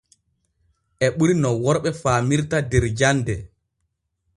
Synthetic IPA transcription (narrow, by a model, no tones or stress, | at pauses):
ʔɛɓuɾinɔwɔɾɓɛfaːmiɾtadɛɾd͡ʒandɛ